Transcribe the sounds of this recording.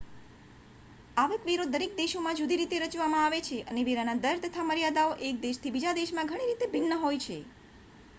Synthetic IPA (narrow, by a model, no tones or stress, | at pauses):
aʋekʋeɾod̪əɾek̚d̪eʃomãd͡ʒud̪iɾit̪eɾət͡ʃʋamãaʋet͡ʃʰeʔəneʋeɾanad̪əɾt̪ət̪ʰaməɾijad̪aoʔek̚d̪eʃt̪ʰibid͡ʒad̪eʃmãɡʱəɽ̃iɾit̪ebʱɪnːəɦojt͡ʃʰe